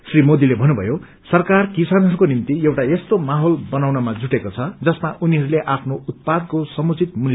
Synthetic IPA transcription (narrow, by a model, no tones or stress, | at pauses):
srimod̪ilebʱʌnːubʱʌ̰jo | sʌrkarkisanɦʌɾukonint̪ijewʈaest̪omaɦolbʌnawnʌmad͡zuʈekot͡sʰʌd͡zʌsmaʔuniɦʌɾuleʔapʰnout̪̚pad̪̚kosʌmut͡sit̪̚mulj